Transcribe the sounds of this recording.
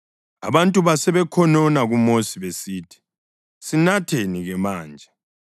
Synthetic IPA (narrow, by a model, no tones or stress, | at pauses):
a̰βantʼuβasɛβɛkʰɔnɔnaɣumosiβesiːtʰi̥ | sinatʰeniɣɛmaːnd͡ʒʱɛ